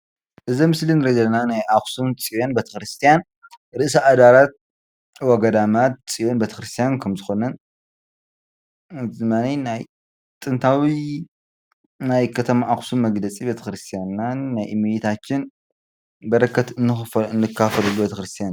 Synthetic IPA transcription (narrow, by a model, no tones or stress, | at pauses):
ʔɨzimɨslinɨɾɐd̪ɐlnanajʔaxsumt͡sʼijonbet̪ʰɐ̥xɾɨst̪ʰijan | ɾɨʔsaʔad̪aɾat̪̚ | wɐɡɐd̪amat̪̚sʼijonbet̪ʰɐ̥xɾɨst̪ʰijankʰɐmzɨxo̞nɐn | ɨzɨmaninaj | t̪ʼɨnt̪ʰawi | najkʰɐt̪ʰɐmaʔaxsumːɐɡlɐt͡sʼibet̪ʰɐ̥xɾɨst̪ʰijananːajʔɨmijit̪ʰat͡ʃːɪn | bɐɾɐkːɐt̪ɨnːɨxɨfɨnːɨkʰːafɐlɐlubet̪ʰɐxɾɨst̪ʰijan